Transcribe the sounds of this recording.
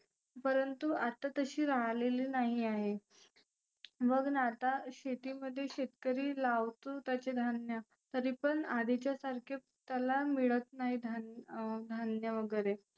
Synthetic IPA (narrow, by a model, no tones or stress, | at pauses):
pəɾənt̪uat̪ːat̪əɕiːɾaɦleliːnaɦiaɦe | məɡnat̪aɕet̪iːməd̪ʱːjeɕet̪kəɾiːlaʋt̪ut̪jat͡ɕed̪ʱanjə | t̪əɾiːpəɳad̪it͡ɕjasaɾkʰe | t̪jalamiɭət̪naɦid̪ʱad̪ʱanjəʋəɡəɾe